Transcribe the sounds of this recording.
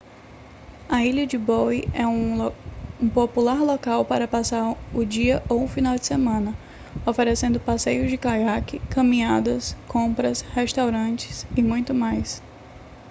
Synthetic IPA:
ɐiʎɐd͡ʒɪbɔjɛũ | ũpopulaɾlɔkawpaɾɐpasaɾʊd͡ʒiɐʔowʊfinawd͡ʒɪsemɐ̃nɐ | ofeɾesẽnd̪ʊpasejʊzd͡ʒɪkajakɪkɐ̃mĩɲad̪ɐskõpɾɐsheʃt̪awɾɐ̃t͡ʃɪ̥sɪmũj̃t̪ʊmajs

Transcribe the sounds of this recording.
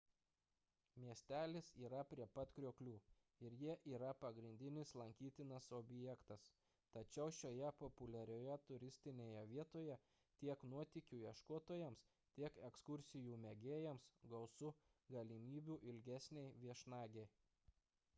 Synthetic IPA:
mʲiɛsʲt̪ʲæːlʲɪsiːɾɐpʲɾʲiɛpɐt̪kɾʲuɔklʲuː | ɪɾjiɛʔiːɾɐpɐɡɾʲɪnʲd̪ʲɪnʲɪslˠɐŋʲkʲiːt̪ʲɪnɐsɔbʲjɛkt̪ɐs | t̪ɐt͡ʃʲɛʊʃʲoːjɛpɔpʊlʲɛɾʲoːjɛt̪ʊɾʲɪsʲt̪ʲɪnʲeːjɛʋʲiɛt̪oːjɛ | t̪ʲiɛknuɔt̪ʲɪkʲuːjiɛʃkot̪oːjɛms | t̪ʲiɛkɛkskʊɾʲsʲɪjuːmʲɛɡʲeːjɛmsɡɒʊsʊ | ɡɐlʲimʲiːbʲuːʔɪlʲɡʲæsʲnʲɛɪʋʲiɛʃnɑːɡʲɛɪ

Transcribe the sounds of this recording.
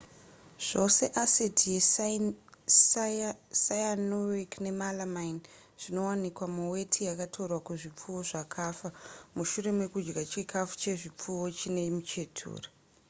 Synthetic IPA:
ʐ̥o̞se̞ʔasetʰije | sajanowikne̞malamain | ʐ̥ino̞wanikwamuwe̞tʰijakatʰorwakuʐip͡fuwo̞ʐakʰafamuʃure̞mwe̞kud͡ʒɡat͡ʃikʰafu̥t͡ʃe̞ʐip͡fuwo̞t͡ʃine̞imut͡ʃe̞tʰṵːra

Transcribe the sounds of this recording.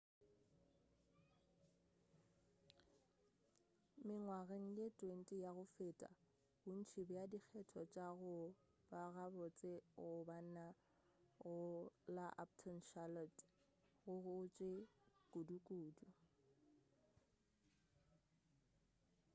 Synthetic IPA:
mɪŋwaɣeŋ̩letʼwen̩tʼijaɣʊfeːtʼa̰ | bʊn̩t͡ʃʰibʊjadik͡xʰɛtʰɔt͡ʃʼaɣʊ | baɣabɔt͡sʼeʊban̩na | ɣʊlaʔa̰p̚tʰɔnʃalɔt | ɣʊɣʊt͡ʃʼekʼudukʼuːdu

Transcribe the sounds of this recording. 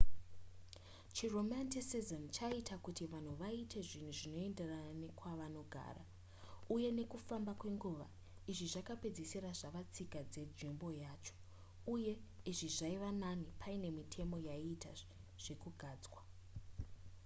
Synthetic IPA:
t͡ʃiro̞mantisizont͡ʃaitakutiʋan̤uʋaitʰe̞ʐin̤uʐino̞e̞nderaanekwaʋano̞ɡʱa̰ːra | uje̞ne̞kufambakwe̞ŋɡuʋa | iʐiʐakape̞d͡zesiraʐaʋat͡sikad͡ze̞d͡zimbo̞jaːt͡ʃo̥ | uje̞iʐiʐaiʋananipʰaine̞mitʰe̞mo̞jaita̰ | ʐ̥e̞kuɡʱaːd͡zwa

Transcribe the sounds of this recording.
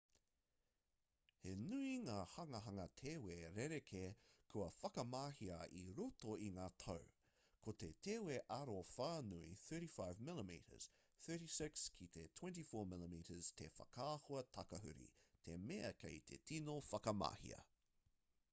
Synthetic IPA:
henuiŋaːhɐŋɐɦɐŋɐtʰeːweːɾeɾekʰekʰuɐfɐkɐmaːhiɐʔiɾotoiŋaːt̪ʰɐw | kʰot̪eteːweʔɐɾofaːnuiθɜ˞ɾifaɪvmɪləmḭɾə̰z̥ | θɜ˞ɾisɪkskʰit̪ʰetʰw̥ɛ̃nt̬ifoːmɪləmiːɾəz̥t̪ʰḛfɐ̰kʰaːhoɐtʰɐkɐɦʉ̰ɾḭt̪ʰemeɐ̰kʰeɪt̪ʰḛtʰinofɐkɐma̰hḭɐ̰

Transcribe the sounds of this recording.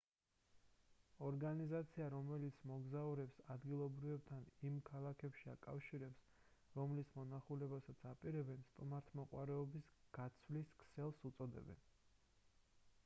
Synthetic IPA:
ɔɾɡanizat̪sʰiaɾɔmɛlit̪sʰmɔɡzauɾɛpsad̪ɡilˠɔbɾivɛb̚t̪ʰanimkʰalˠakʰɛpʃiakʼafʃiɾɛps | ɾɔmlismɔnaχulɛbasat̪sʰapʼiɾɛbɛnst̪ʼumaɾt̪ʰmɔqʼwaɾɛɔbisɡ̥at̪sʰvliskʰsɛlˠsut̪sʼɔd̪ɛ̰bɛ̰n

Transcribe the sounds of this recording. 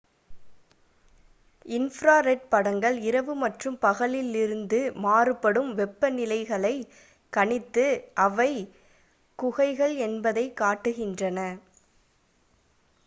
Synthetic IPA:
ɪnfɾaːɾɛʈ̚pɐɽɐŋɡɐɭɪɾɐʋɯmɐʈrɯmpɐɣɐɭɪlɪɾɯnd̪ɯmaːrɯpːɐɽɯmʋɛpːɐnɪlɐɪɣɐɭɐɪ | kɐɳɪt̪ːɯʔɐʋɐɪ | kʊɣɐɪɣɐɭɛnbɐðɐɪkːaːʈːɯɣɪndrɐnɐ

